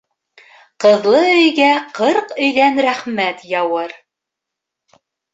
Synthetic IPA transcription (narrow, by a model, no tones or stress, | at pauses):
qɤ̆ðlˠɤɵ̆jɡæqɤɾqɵ̆jðænɾæχmæt̪jɑwɤɾ